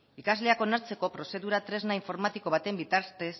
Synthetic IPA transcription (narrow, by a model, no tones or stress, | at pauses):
ikazle̞ako̞naɾt͡se̞ko̞pɾo̞se̞ðuɾat̪ɾe̞znaiɱfo̞ɾmat̪iko̞β̞at̪e̞mbit̪aɾt̪e̞s